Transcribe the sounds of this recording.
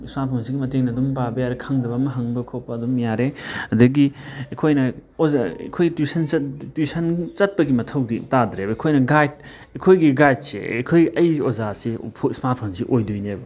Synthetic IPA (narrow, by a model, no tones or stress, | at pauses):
smaɾt̚pʰonsiɡimɐteŋnɐdumpabɐjaɾekʰɐŋdɐbɐmɐɦɐŋbɐkʰowpɐdumjaɾeɐdɐɡiɐkʰojnɐozaḛkʰojɡitisɐnɐtisɐnt͡ʃɐt̚pɐɡimɐtʰɐwditadɾebɐkʰojnɐɡajd̚ | ɐkʰojɡiɡajd̚sḛɐ̰kʰojɐjozasepʰsmaɾt̚pʰonsiʔojduojnebɐ